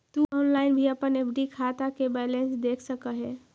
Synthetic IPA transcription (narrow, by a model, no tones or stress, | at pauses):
t̪uɔnlaɪnbʱiəpənebɖikʰat̪akebɛlensd̪ekʰsəkəɦe